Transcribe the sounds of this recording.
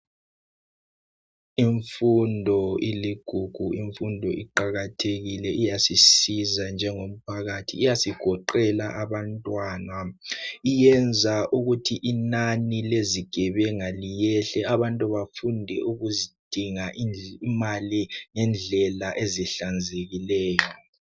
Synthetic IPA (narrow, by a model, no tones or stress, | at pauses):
iɱfundʱɔiliɡ̥ʱuɡ̥ʱuiɱfundʱɔiǃaɣatʰeɣilɛʔijasisizand͡ʒʱɛŋom̩pʰaɣatʰḭːjasiɡ̥ʱɔǃɛlaʔaβantʼwaːnaijɛnd͡zʱaʔuɣutʰiʔinanileziɡ̥ʱɛβɛŋalijɛɬɛaβantʼuβafundʱɛuɣuzid̥ʱiŋaʔiimaliŋɛnd͡ɮʱɛlaʔeziɬand͡zʱeɣilɛːjɔ